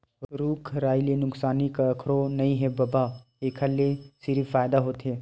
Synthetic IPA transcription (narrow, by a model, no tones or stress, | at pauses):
ɾuːkʰɾaːilenʊksaːnikaəkʰɾonɐĩɦɛbɐba | eːkʰalesɪɾifaːjd̪aɦoːt̪ɦɛː